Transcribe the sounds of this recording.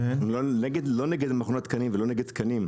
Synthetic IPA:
loneɡed̪loneɡed̪maχonat̪kanimvelo̞neɡed̪̚t̪kʰɐnim

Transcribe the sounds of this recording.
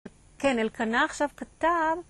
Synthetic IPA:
kenelkanaːχʃavkat̪av

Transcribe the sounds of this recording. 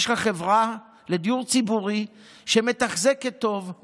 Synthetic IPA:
ʃχaχevʁa | led̪ijuʁt͡sibuʁi | ʃemet̪aχzekːet̪o̞v

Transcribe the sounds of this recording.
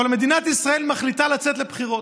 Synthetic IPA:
alme̞d̪inat̪isʁae̞lmaχlit̪alat͡set̪le̞pχiʁo̞

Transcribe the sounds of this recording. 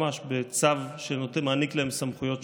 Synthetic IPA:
aʃbet͡savʃenot̪emaːniklahemsamχujo̞t

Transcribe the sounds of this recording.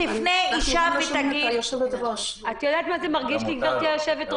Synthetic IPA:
ifnejiʃavet̪aɡijoʃevlet̪boʃat̪jod̪aːt̪mazemaʁɡiʃtiɡvaʁt̪iajoʃevet̪

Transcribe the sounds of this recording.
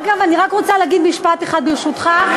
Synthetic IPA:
ɡavaniʁakʁot͡salaaɡid̪miʃpat̪eχad̪beʃut̪χa

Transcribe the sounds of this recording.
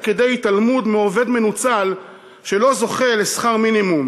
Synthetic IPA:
ked̪ejt̪almud̪meove̞d̪me̞nut͡sal | ʃe̞lo̞zo̞χe̞lesχaʁminimum

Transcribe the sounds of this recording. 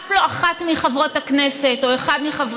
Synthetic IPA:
floaχatmiχavʁo̞taknese̞to̞eχad̪miχavʁ

